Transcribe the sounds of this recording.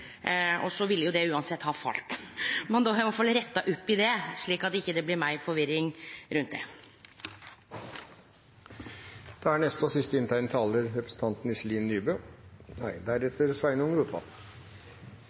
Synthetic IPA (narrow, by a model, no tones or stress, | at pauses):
ɔ̰sɔʋɪlːjʊd̪ɛʉːɑnsɛt̪ːhɑːfɑ̰lt̪mɛnd̪oɦɛmfɔlɾɛt̪ːɑʔʊpːɪd̪ɛʂɭiːkɑt̪ɪçːəd̪ɛblɪɾmæɪfɔɾʋɪɾːɪŋɾʉnt̪̚d̪ɛ̰ | d̪̥ɛæɳɛst̪əɔsɪst̪əɪnt̪ʰæɪnət̪ʰɑːləɾɾɛpɾəsn̩t̪ʰɑnt̪n̩ɪsliːnnyːbøːnæɪd̪æɾɛt̪ʰəɾsʋæɪnʊŋɾuːt̪ʋɑ̰l